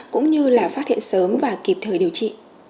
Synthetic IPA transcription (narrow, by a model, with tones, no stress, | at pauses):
kʊ̰˧˥ŋ͡mɲɨ˧laː˨˩faː˦˥t̚hḭ˧˨nsəː˨˦mvaː˨˩ki˨˩p̚t̪ʰəː˨˩jɗi˨˩əwt͡ɕḭ˧˨